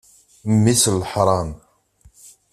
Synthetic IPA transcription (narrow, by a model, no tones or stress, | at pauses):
mːislːəħɾˤɑn